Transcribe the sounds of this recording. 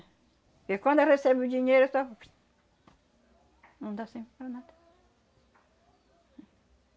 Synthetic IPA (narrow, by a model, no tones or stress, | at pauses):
kekwɐ̃nd̪eʁesɛbɪud͡ʒiɲejɾʊesɔfi̥ | nɐ̃w̃d̪asẽj̃pɪpɐɾɐnad̪ɐ̥